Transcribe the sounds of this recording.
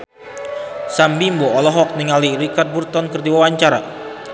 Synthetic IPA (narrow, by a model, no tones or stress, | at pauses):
sambimboɔlɔɦɔk̚niŋalirikart̪̚burt̪ɔnkərdiwawaɲt͡ʃaɾa